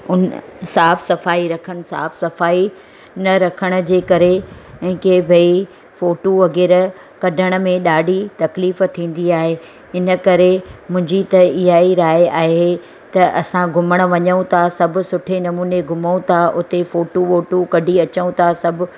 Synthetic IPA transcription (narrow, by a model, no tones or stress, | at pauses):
ʊnsaːfsɐfaːiɾɐkʰəɽ̃̆sa̰ːfsɐfaːi | nɐɾɐkʰəɽ̃ʊ̆d͡ʑeːkɐɾeɛ̃ːkebʱɐi | foːʈoʋɐɡeːɾ | kɐɖʱəɽ̃ʊ̆mẽɗaːɖʱit̪ɐkliːft̪ʰĩːn̆d̪iaːɦe | ɪnə̆kɐɾemʊ̃ɦɪ̃ɲd͡ʑit̪ɐɪɦaːiɾaːeaːɦe | t̪ɐʔɐsãɡʱʊməɽ̃ʊʋɐɲəũt̪ʰasɐbʱʊ̆sʊʈʰenɐmuːneɡʱʊmũt̪ʰaʔʊt̪efoːʈoʋoːʈokɐɖʱiɐt͡ɕəũt̪ʰasɐbʱʊ̆